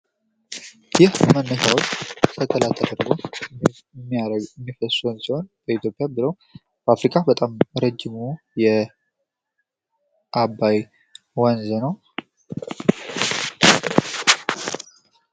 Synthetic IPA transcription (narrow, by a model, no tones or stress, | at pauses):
jɪhmənːəʃawot͡ʃsʰət̪ʰəlat̪ʰːəd̪əɾɡot | mːiɾmːifəsonsiho̞nb̥əit̪ʰjopʼjabɨləw | b̥əafɾikʼabət̪ʼamɾəd͡ʒːɪmu | jɛ | ʔabːaj | wanzənəw